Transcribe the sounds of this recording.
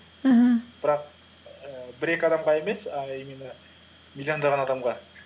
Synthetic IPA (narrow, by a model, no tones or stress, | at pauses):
ɦ̩b̥ɪɾɑq | əbɪɾe̞kʲɑd̪ɑmʁɑe̞me̞sɑjminə | mʲilʲːijo̞nd̪ɑʁɑnɑd̪ɑmʁɑ